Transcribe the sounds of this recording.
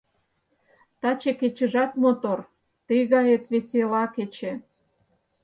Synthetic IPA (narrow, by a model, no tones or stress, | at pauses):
t̪ɑt͡ɕeket͡ɕə̆ʒɑt̪mot̪or | t̪iɣɑjet̪βeselɑket͡ɕe